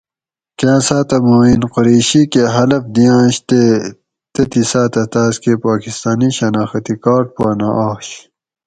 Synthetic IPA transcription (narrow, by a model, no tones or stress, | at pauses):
kãːsaːt̪ɐmoːinqoɾeːɕikeɦɐlɐpd̪ijãːɕt̪e | t̪et̪isaːt̪ɐt̪aːskepaːkist̪aːniɕɐnaːxɐt̪ikaːʈ̚paːnaʔaːɕ